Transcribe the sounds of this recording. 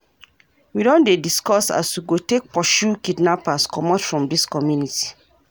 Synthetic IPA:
widɔ̃ndediskɔsa̰swiɡotek̚pɔʃukidnapaskɔmɔtfɹɔ̃mdiskɔmjuniti̥

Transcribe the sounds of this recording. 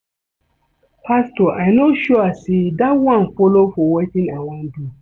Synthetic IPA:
pʰastɔʔaɪnoʃɔasedatwãnfɔlofɔwetɪ̃nawãndu

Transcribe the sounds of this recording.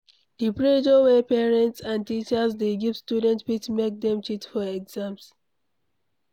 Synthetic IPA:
dipɹed͡ʒowɛpɛɹɛ̃ntsãntit͡ʃəsdeɡivstjudɛ̃ntpitmek̚dɛ̃mt͡ʃitfɔɛɡzãms

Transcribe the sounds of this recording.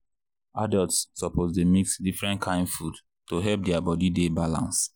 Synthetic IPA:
adɛltssːɔpʰozdemiksdifɹɛ̃ntkʰãɪ̃nfud | toɦɛlp̚dɛabɔdidebalã̰ns

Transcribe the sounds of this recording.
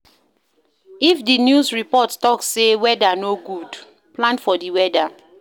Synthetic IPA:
ifdinjusɹipɔttɔkssewɛdanoɡud | plãnfɔdiwɛda

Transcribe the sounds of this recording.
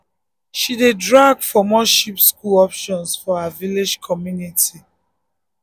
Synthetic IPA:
ʃidedɹaɡfɔmɔ̃ʃipskulɔpʃɔ̃nsfɔhaviled͡ʒkʰɔmjunitʰi

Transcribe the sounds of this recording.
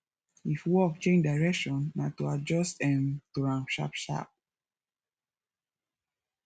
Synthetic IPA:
ifwɔk̚t͡ʃẽnd͡ʒdaɪɹɛkʃɔ̃nːatuad͡ʒɔstɛ̃ntuɹãnʃa̰pʃa̰p̚

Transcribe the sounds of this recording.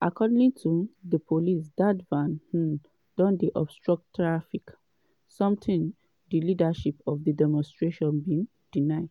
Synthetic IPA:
ʔakʰɔdĩŋtʰuðəpʰolisdadvãnh̩ | d̥ɔ̃nd̪iʔɔb̥stɹɔk̚tːɹafik | sɔ̃mtʰĩn | d̪ilidaʃipɔfdədɛmɔ̃nstɹeʃɔ̃nbĩŋ | d̥inaɪd

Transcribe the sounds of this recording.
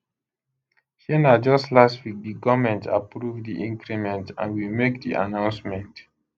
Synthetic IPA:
hɛnad͡ʒɔstlastwik̚diɡɔmɛ̃ntʰa̰pɹuvdiʔĩŋkɹimɛ̃ntã̰nwimekdḭʔa̰nãʊ̃nsmɛ̃nt

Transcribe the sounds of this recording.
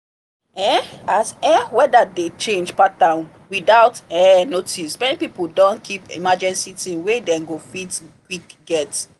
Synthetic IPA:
ɛ̃asɛ̃wɛdadet͡ʃẽnd͡ʒpat̚dãʊ̃n | widaʊtɛnotismɛnipipuldɔ̃nkʰipḭmad͡ʒɛ̃nsitĩnwedɛ̃ɡofitkwikɡɛt

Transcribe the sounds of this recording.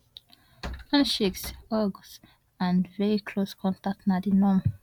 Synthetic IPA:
hãnʃeksɔɡs | ãnvɛɹikʰloskʰɔ̃ntak̚tnadinɔ̃m

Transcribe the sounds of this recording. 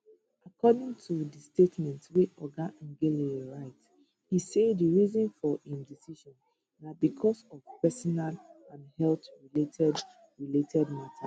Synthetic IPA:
akʰɔdĩŋtʰudəstetmɛ̃ntweʔɔɡaʔãŋɡeliɹaɪt | hisediɹizɔ̃nfɔĩmdisiʃɔ̃n | dat̚bikʰɔsɔvpɛsɔnalãnhɛltɹiletʰɛd | ɹiletʰɛdmatʰa

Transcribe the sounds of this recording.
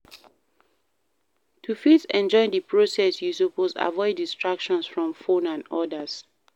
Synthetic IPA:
tʰufisɛ̃nd͡ʒɔɪdəpʰɹosɛsjusupoza̰vɔɪdistɹakʃɔ̃nsfɹɔ̃mfõnãnɔdəs

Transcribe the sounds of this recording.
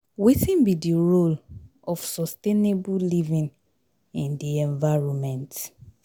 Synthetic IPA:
witĩnbidiɹol | ɔfsɔstenebulivĩŋ | ĩndiɛ̃ɱvaɹɔmɛ̃nt

